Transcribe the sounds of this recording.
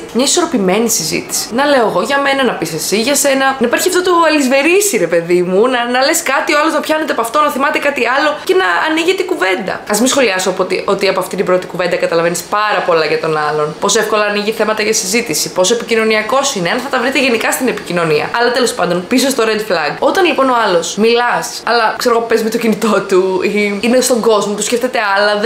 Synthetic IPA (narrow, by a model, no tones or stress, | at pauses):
mɲɐiso̞ɾo̞pime̞nisizḭt̪i̥ssi̥nɐle̞oeɣo̞ʝɐme̞nɐnɐpisesiʝɐse̞nɐnɐipɐɾçiɐft̪ot̪oɐlizve̞ɾisiɾe̞pe̞ðimunɐnɐle̞skɐt̪ioɐloznɐpçɐnet̪epoɐft̪o̞nɐθimɐt̪e̞kɐt̪iɐlo̞ce̞nɐːniʝet̪eikuve̞nd̪ɐ̰ɐzmisxo̞liɐsoɐpot̪iʔo̞t̪iɐpo̞ɐft̪it̪ibɾo̞t̪ikuve̞nd̪ɐkɐt̪ɐlɐvenispɐɾɐpo̞lɐʝɐt̪o̞nɐlo̞npo̞soefko̞lɐːniʝiθe̞mɐt̪ɐʝɐsizit̪isipo̞soepicino̞niɐko̞sineɐnθɐt̪ɐvɾit̪eʝe̞nikɐst̪ine̞picino̞niɐ̰ɐlɐt̪e̞lo̞spɐnd̪o̞npisost̪oɾend̪flɐŋɡo̞t̪ɐnlipo̞no̞ɐlo̞smilɐsɐlɐkseɾɣopezmet̪ocinit̪o̞t̪uiinest̪o̞ŋɡo̞zmot̪uscʲeft̪et̪e̞ɐlɐð